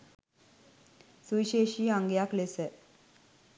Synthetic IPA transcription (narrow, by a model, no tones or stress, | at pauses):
suiɕeːʃiːaŋɡejaklesə